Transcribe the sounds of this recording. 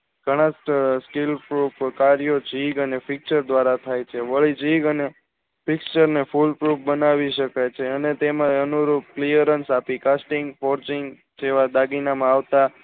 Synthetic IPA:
ɡ̥ʱəɽ̃ãsskilpɾupkaɾijod͡ʒiɡənepʰɪk̚t͡ʃəɾd̪ʋaɾat̪ʰajt͡ʃʰeʋəɭid͡ʒiɡəne | pɪkt͡ʃəɾnefulpɾupʰbənaʋiʃəkajt͡ʃʰeənet̪emãənuɾup̚klijəɾənsapikasʈiŋɡfʰoɾt͡ʃiŋɡ | d͡ʒeʋad̪aɡinamãaʋt̪a

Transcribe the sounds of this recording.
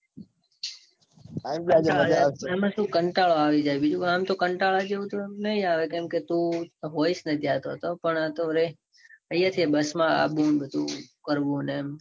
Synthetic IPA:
aimlad͡ʒeəaemãʃũkəɳʈaɭoaʋid͡ʒajbid͡ʒuamt̪okəɳʈaɭad͡ʒeũt̪oemnəĩaʋekẽmket̪ũɦoisnət̪ʰiat̪oət̪opəɳat̪oɾe | əjat̪ʰiebəsmãa̰bũnbəd̪ũkəɾʋũnem

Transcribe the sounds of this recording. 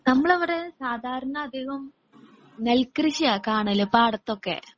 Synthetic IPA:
nɐmːɐɭeʋɐɽesaːd̪ʱaːɾɐɳɐːd̪ʱiːɣɐm | nelkriɕiakaːɳɐlepaːɽɐt̪ːokːḛ

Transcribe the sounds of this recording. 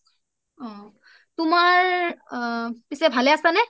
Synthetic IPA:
ɔ̃ | tʊmaɹ | pisɛbʱalɛasanɛ

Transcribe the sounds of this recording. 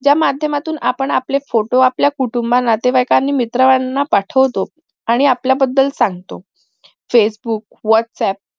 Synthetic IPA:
d͡ʑjamad̪ʱjəmat̪uːnapəɳaplefoʈoapljakuʈumbanːat̪eʋajkanːiːmit̪ɾəʋanːapaʈʰəʋt̪o | aɽ̃iapljabəd̪ːəlsaŋɡt̪o̰ | fesbuːk̚ | ʋɔʈsɛp̚

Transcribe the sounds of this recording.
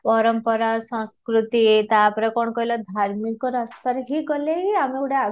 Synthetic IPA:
pɔɾɔmpɔɾasɔ̃skɾut̪it̪aːpɔɾekɔɳɔkɔɦilɔd̪ʱaɾmikɔɾɔsəɾɦiɡɔleiameɽea

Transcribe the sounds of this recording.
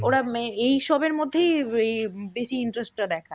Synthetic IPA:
oɾaejʃɔbeɾmod̪ʱːejejbeʃiiɳʈɾesʈ̚ʈad̪ɛkʰa

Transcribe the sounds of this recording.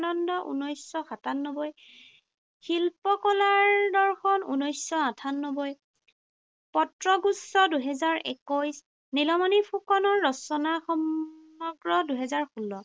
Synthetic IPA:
nɔndɔʔṵnɔjsɔxatanːɔbɔj | xilpɔkɔlaɹdɔɹxɔnṵnɔjsɔatʰanːɔbɔj | pɔtɹɔɡusːɔduɦɛzaɹɛ̰kɔjs | nilɔmɔnipʰukɔnɔɹːɔsɔnaxɔm | ɔɡɹɔduɦɛzaɹxulːɔ

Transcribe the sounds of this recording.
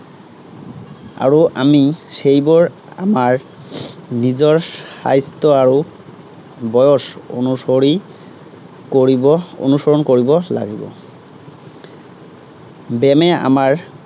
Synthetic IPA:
a̰ɹuʔamisejbɔɹ | a̰maɹ | nizɔɹsa̰jst̪ɔaɹu | bɔjɔso̰nusɔɹi | koɹiɔo̰nusɔɹɔnkoɹibɔla̰ɡibɔ̰ | bɛmɛa̰maɹ

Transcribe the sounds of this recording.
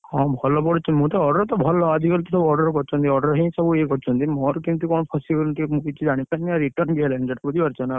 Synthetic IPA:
ɦɔ̃bʱɔlɔpɔɽut͡ʃʰunmũt̪ɔɔɖəɾɔt̪ɔbʱɔlɔad̪ʱikɔlt̪isɔbɔɖəɾkɔɾt͡ʃʰɔnt̪iɔɾɖəɾɦĩsɔbʱuekɔɾt͡ʃʰɔnt̪inmɔ̃ɾkint̪ukɔnpʰɔsibilʈ̪imukit͡ʃʰid͡ʒaɽ̃ipɛnːiaɾiʈəɾnbiɦɛlend͡ʒɐʈpud̪iɐɾt͡ʃʰɔna

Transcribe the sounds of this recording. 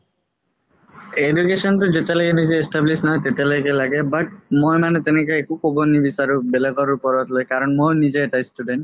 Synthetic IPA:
edukesɔnʈud͡ʒet̪elekenid͡ʑeesʈablisnaɦɔjt̪et̪elajɡelaɡebaʈ̚mojmanet̪enek̬eekukobonibisaɾubelekɔɾupɔɾɔt̪lojkaɾɔnmojnid͡ʑeːʈajsʈuɖeɳʈ

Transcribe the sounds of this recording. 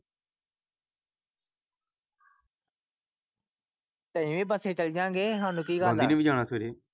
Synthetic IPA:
t̪ə̃ĩːʋẽːpəseːt͡ʃəld͡ʒãːŋɡeːɦãːnũːkiːɡãːlaiːneːbiːd͡ʒaːɽ̃aːsʰeːɾeː

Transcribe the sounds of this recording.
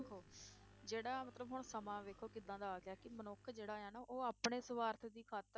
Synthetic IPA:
kʰoː | d͡ʒeːɽaːmət̪ləbɦʊɳ̃səmãːʋeːkʰːoːkɪd̪ãːd̪aːkjaːkɪmənʊkʰd͡ʒeːɽaːjãːnaːʔoːaːpɳeːsəʋaːɾt̪ʰd̪iːkʰaːt̪ə

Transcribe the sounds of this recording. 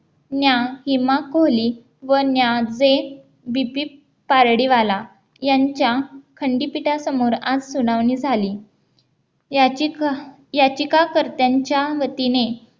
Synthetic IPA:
njahimakoli | ʋənjad͡ze | bipiː | paɾɽiʋala | jaɲt͡ɕjakʰəɳɖiːpiʈasəmoɾad͡zsuɽ̃aʋnid͡zʱaliː | a | jat͡ɕikakəɾt̪jaɲt͡ɕjaʋət̪ine

